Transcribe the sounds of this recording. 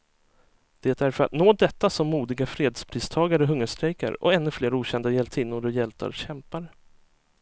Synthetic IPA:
d̪̥eːt̪æɾfœɾa̰t̪noːd̪ɛt̪ːasɔmːuːd̪ɪɡafɾeːd̪spʰɾiːst̪ʰɑːɡaɾəɦɵŋːəʂt̪ɾɛjka̰ɾɔ̰ɛnːɵfleːɾuːɕɛnd̪ajɛlt̪ʰɪːnːʊɾɔjɛlt̪ʰa̰ɾɕɛmpaɾə

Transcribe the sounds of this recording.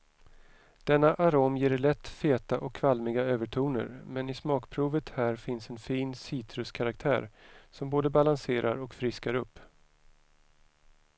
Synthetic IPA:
d̪̥ɛnːaʔaɾoːmjeːɖɭɛt̪ːfeːt̪aʔɔkʰːvalmɪɡaøːvəʈʰuːnə̰ɾmɛnɪsmɑːkpʰɾuːvət̪hæːɾfɪnsɛnfiːnsiːt̪ʰɾɵskʰaɾak̚t̪ʰæ̰ːɾsɔmboːd̪əbalanseːɾʔa̰ɾɔkfɾɪskaɾɵpː

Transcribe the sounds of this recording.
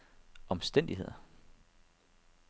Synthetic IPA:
ɒ̽msd̥en̰d̥iɦe̝ð̞̰ˠ

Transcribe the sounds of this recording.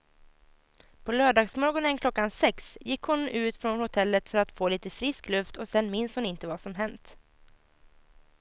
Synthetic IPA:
pʰɔlœːɖɑːɡsmɔɡɔnənkʰlɔkːansɛksjɪkːhʊnʉ̟ːt̪fɾɔnhʊt̪ʰɛlːət̪fœɾat̪foːliːt̪əfɾɪsklɵft̪ɔsɛnmɪnshʊnɪnt̪əvasɔmɦɛnt̪

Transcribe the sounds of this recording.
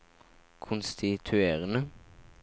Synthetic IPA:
kʰʊnst̪ɪt̪ʰʉeːʁənə

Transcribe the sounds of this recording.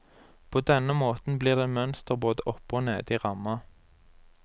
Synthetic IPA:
pʰoːd̪ɛnəmoːt̪n̩bliːʁd̪eːmœnst̪əʁboːd̪əʔɔpːoːnḛːd̪iːʁɑmɑ

